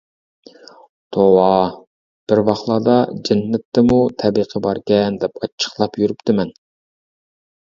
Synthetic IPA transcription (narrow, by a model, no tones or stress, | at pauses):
t̪ʰowɑ | b̥ɪɾwɑχlˠɑːd̪ɑd͡ʒɛnːɛt̪ːɛmut̪ʰɛbiqʰəbɑɾkʲɛnd̪ɛpɑt͡ʃʰːə̥χlˠɑpjyɾyp̚t̪ʰɪmɛn